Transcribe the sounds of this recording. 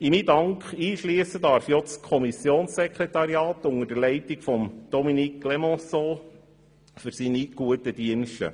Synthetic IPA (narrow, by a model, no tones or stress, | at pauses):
imidɑŋkχiːʃliəsədɑɾfjɔt͡skʰɔmisjoːnsːɛkʁetɑɾjɑːt̪ʊŋəɾd̥əlɛɪtiɡfɔmd̥ɔminiklɛmɔ̃soː | fʏɾsiːniɡ̥uət̚əd̥iənʃtə̰